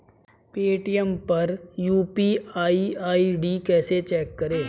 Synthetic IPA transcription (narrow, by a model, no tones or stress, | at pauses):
peːʈijəmpɐɾjuːpiaːiaːiɖikɛːset͡ʃɛːkːɐɾeː